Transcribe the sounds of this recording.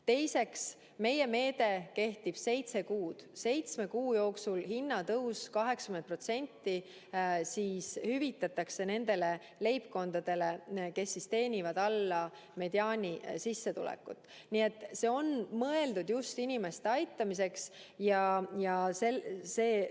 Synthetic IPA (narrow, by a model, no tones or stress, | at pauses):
t̪e̞jse̞ks | me̞je̞me̞ːd̪e̞ke̞ht̪ib̥se̞jt̪se̞kuːd̪̥se̞jt̪sme̞kuːjo̞ːksulhinːɑt̪ɤuwskɑɦeksɑ̥kymnt̪pro̞t̪se̞nʲt̪ːi | siːshyvit̪ːˑɑt̪ːˑɑkse̞ne̞nd̪̥e̞le̞ | le̞jpko̞nd̪̥ɑd̪̥e̞le̞ke̞sːist̪e̞ːnʲivɑd̪̥ɑlːɑ | me̞d̪̥iɑːnʲisisːe̞t̪ṵlɛ̰kːˑṵt̪ːˑ | nie̞t̪ˑːse̞ːo̞nmɤe̞ld̪ud̪̥just̪inʲime̞st̪eɑjt̪ˑːɑmis̬e̞ksjɑjɑseseː